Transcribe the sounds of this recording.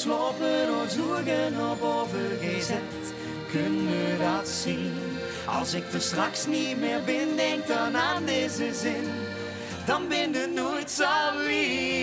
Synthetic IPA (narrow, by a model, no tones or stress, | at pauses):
sloːpənɔzuəɣənɔpoːvəɹɣəzɛ | t | kʰønəʋədɑtsin | ɑ̰lˠsɪk̚dəstrɑksnitmɪːɹbɪndɛŋk̚tɑnaːndeːzəzɪn | d̥ɑnbɪndənojtsali